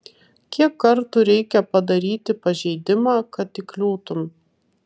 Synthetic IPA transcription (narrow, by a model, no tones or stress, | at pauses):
kʲiɛkːɐɾt̪uɾʲɛɪkʲɛpɐd̪ɐɾʲiːt̪ʲɪpɐʒʲɛɪd̪ʲɪmɑːkɐt̪ɪklʲuːt̪ʊm